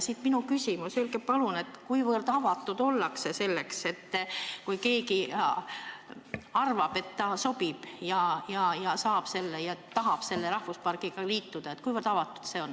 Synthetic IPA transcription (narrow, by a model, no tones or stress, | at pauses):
sit̪minukysʲimusylɡepɑlune̞t̪kujvɤrd̪̥ɑvɑt̪ːˑud̪̥o̞lːɑkse̞se̞lːe̞kse̞t̪ːkujke̞ːki | ɑrvɑb̥e̞t̪ːɑso̞b̥ib̥jɑjɑjɑsɑːb̥se̞lːejɑt̪t̪ːɑɦɑb̥se̞lːeɾɑhvuspɑrɡ̥iɡ̥ɑliːt̪ːud̪̥ɑet̪̚kujvərd̪ɑvɑt̪ːˑu̥d̪̥se̞o̞n